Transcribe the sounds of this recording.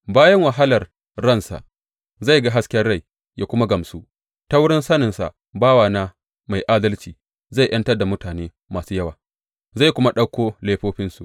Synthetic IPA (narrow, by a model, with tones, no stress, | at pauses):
baː˦jɐ˦ŋwɐ˨ɦa˦lɐ˨r | ɽɐ˦˨nsa̰˨ʔ | za˦˨jɡa˦ɦa˦skʲɛ˦rɽa˦˨j | jʔa˦kʷʊ˦ma˦ɡɐ˨msu˦ | ta˦wʊ˦ɽɪ˦nsɐ˦nɪ˨nsa̰˨ʔ | baː˦waː˨na˦ | ma˨jʔaː˦dɐ˦lt͡ʃiː˨ | za˦˨jʔɐ˦ntɐ˦da˨mʊ˦taː˨neː˦ | maː˨suː˦jɐ˦waː˨ | za˦˨jkʷʊ˦ma˦ɗɐ˦kʷoː˦leː˦ɸoː˦ɸɪ˦nsu˨ʔ